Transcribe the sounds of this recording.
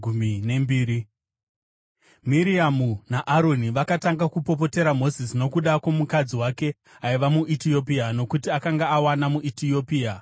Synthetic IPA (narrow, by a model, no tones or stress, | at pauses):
umine̞mbiːɾi | miɾiamunaʔaɾo̞niʋakataŋɡakupo̞p̬o̞te̞ɾamo̞sisino̞kuɗakwo̞mukad͡ziwake̞ | aiʋamuʔitio̞p̬iano̞kutiakaŋɡaːwanamuʔitiopia